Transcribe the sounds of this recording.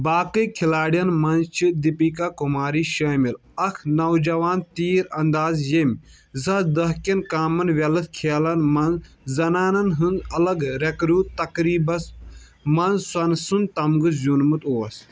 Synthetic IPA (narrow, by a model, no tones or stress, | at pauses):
baːkɨjkʰilaːɽijɐnmɐnzt͡ʃʰid̪ipiːkakumaːɾiːʃɐːmil | ɐkʰnɐwd͡ʒɐʋaːnt̪iːɾɐnd̪aːzjemʲ | zɐd̪ɐɦkʲɐnkaːmɐnʋʲelɨt̪kʰeːlɐnmɐnz | zɐnaːnɐnɦɨnzɐlɐɡɾekɾuːt̪t̪ɐkɾiːbɐs | mɐnzswɐnsunt̪ɐmɡɨzunmɨt̪oːɐs